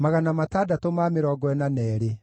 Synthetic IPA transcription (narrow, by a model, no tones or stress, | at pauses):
maɣanamataːdatomameɾɔːɡɔɛnanɛːɾe